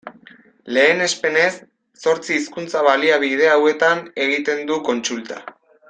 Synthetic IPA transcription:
le̞ːne̞spe̞ne̞sː | o̞ɾt͡siːskunt͡saβ̞aliaβ̞ið̞e̞awe̞t̪ane̞ɣ̞it̪e̞nd̪uko̞nt͡sult̪a̰

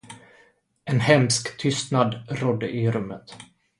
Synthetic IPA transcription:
ɛnhɛmskt̪ʰʏst̪nad̪ɾɔd̪ːəʔɪɾɵmːət̪

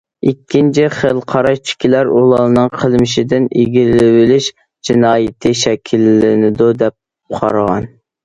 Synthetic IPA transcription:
ikʲʰːint͡ʃʰiχəlˠqʰɑɾɑʃt͡ʃʰy̥kʲʰilæɾulˠɑnɨŋqʰəlˠmɪʃɪd̪ɪniɡʲilɪwɪlɪʃ | d͡ʒinɑːjɪt̪ʰɪʃɛkʲʰilːɪnɪd̪ud̪ɛp̚ | qʰɑ̰ɾʁɑn

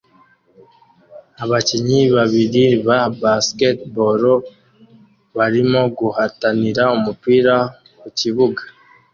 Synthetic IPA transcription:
aβaciɲiβaβiɾiβabasketboɾo | βaɾimoɡuhataniɾaumupiɾa | kuciβuɡḁ

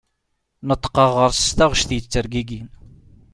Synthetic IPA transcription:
nət̪ˤːə̥qːəʁəɾsə̥st̪aʁʃθjət͡sːəɾɡiɡin

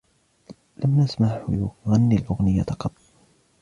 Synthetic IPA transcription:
lʔamnasmaʕ̰jʊɣanːilʔʊɣnɪjːat̪ɑqɑt̪ˤː

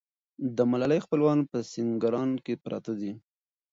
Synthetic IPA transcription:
d̪əmalaləjxpəlwɑnpəsiŋɡaɾɑnkepɾɑ̰t̪ad̪i

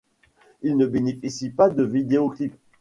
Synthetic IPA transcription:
ilnəbenefisipad̪əvid̪eoklip

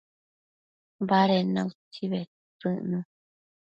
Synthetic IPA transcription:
βaɾenãut͡ʃiβe | t͡sɨʔnũ

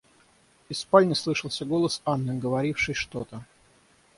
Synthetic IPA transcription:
ɪspalʲnʲəslˠɨʂəlˠsʲəɡo̞lˠəsanːɨɡəvɐɾʲifʂɨjʂt̪ot̪ə

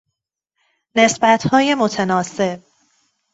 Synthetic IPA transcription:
ne̞sbæt̪hɒːje̞mo̞t̪ʰenɒːse̞b̥̚

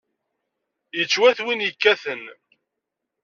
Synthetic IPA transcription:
jət͡sːwæθwinjəkːæθən

